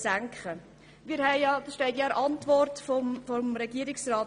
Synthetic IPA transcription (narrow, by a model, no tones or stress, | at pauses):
sæŋkχə | miɾhɛɪɑd̪ʃtɛɪtjɑɾʔɑntvɔrtfɔfɔmɾɛɡiəɾɪksraːt